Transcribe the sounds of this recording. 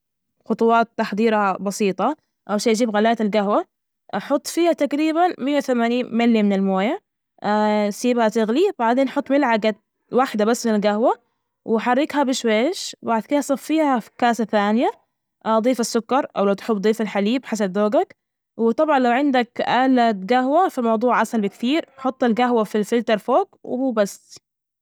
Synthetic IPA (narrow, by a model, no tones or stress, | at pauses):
xʊt̪ˤʊwɑːt̪ːaħd̪ˤiːɾabɑsiːt̪ˤɑ | ʔawʃaːjd͡ʒiːbɣalaːt̪ɪlɡahwa | ħʊt̪ˤːfiːhat̪akɾiːbanmɪjːawθamaːniːnmalːjamɪnɪlmoːja | siːbhat̪ɪɣlibaʕd̪eːnʔħʊt̪ˤːmɪlʕaɡat̪ | waħd̪abasːmɪnɪlɡahwa | wɪħɑrːɪkhabɪʃweːʃbaʕd̪kɪd̪asˤɑfːiːhakaːsaθaːnɪja | d̪ˤiːfasːʊkːɑɾˤʔa̰wlawt̪ħʊbːd̪ˤiːfalħaliːbħas̬ab̚d̪oːɡak | wɪt̪ˤɑbʕɑnlawʕɪnd̪akʔaːlat̪̚ɡahwafimɑwd̪ˤuːʕʔasalbɪkt̪iːɾħʊt̪ˤːalɡaɦwafilfɪlt̪ɑɾˤfoːɡwɪhuːbasː